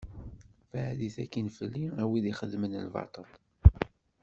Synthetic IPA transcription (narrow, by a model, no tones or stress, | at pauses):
fəʕðiθækːənfəlːiæwiðiχəðmənə̰lvɑ̰t̪ˤəl